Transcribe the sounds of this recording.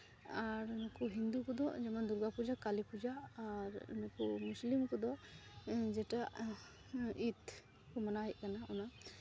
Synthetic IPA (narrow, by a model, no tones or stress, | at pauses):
aɾunɔkɔɦind̪ukɔd̪ɔd͡ʒɛmand̪uɾɡapud͡ʒakalipud͡ʒaːɾṵnɔkɔmuslimkɔd̪ɔ | d͡ʒɛʈaʔ | it̪ | kɔmanaɦɛʔ̚kanaɔna